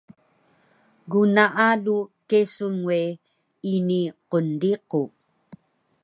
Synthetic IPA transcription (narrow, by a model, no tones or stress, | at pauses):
ɣunaʔalukesuŋwe | iniqondiqu